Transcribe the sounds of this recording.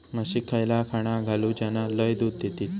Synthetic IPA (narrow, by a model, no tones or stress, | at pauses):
nəɕikʰajlakʰaɽ̃aɡʱalud͡ʑjanaləjd̪ud̪̚ːet̪iːt̪